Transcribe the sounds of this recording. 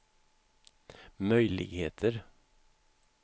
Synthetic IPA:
mœʏlɪ̰ɡheːt̪ʰəɾ

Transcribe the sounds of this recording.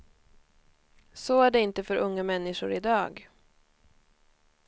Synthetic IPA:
soæɖɛɪnt̪əfœɾʔɵŋːamɛnːɪʂʊɾɪd̪ɑːɡ

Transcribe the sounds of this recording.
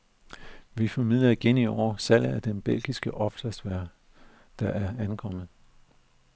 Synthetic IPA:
ʋifɒmið̰ˠlˠɐiɡ̥eniɒːɐsæl̰̩æd̥enb̥el̰ɡ̥isɡ̥əʔɒ̽fsɐsdʋæɐ̰ | d̥ɑ̈ʔæɐænkʰɒ̽m̰ð̩ˠ

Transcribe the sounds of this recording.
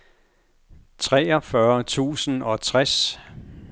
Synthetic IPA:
t͡sʰʁɛːɒ̽fɶɐt͡sʰṵːsən̩ɒ̽t͡sʰʁas

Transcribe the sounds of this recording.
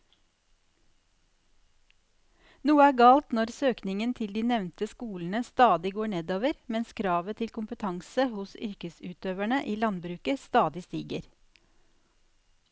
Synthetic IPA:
nuːəæːɡɑːlt̪nɔɾsøːknɪŋənt̪ʰɪld̪iːnɛʋnt̪əskuːln̩əst̪ɑːd̪ɪɡoːɳeːd̪oːʋəɾmɛnskʰɾɑːʋət̪ʰɪlkʰʊmpət̪ʰɑŋsəhʊsʏ̰ɾkəsʉːt̪øːʋæɳəʔiːlɑnbɾʉːkəst̪ɑːd̪ɪst̪iːɡəɾ

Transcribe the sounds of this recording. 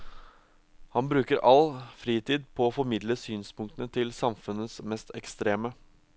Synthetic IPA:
hɑnbɾʉːkəɾʔɑlfɾiːt̪ʰiːd̪pʰɔːfɔɾmɪd̪ləsyːnspʊŋkt̪ənət̪ʰɪlsɑmfʉnːəsmɛst̪ɛkst̪ɾeːmə

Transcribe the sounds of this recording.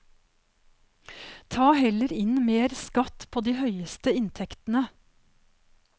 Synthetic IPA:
t̪ʰɑːhɛləɾɪnmeːɾskɑt̪pʰoːd̪iːhœʏəst̪əɪnt̪ʰɛkt̪n̩ə

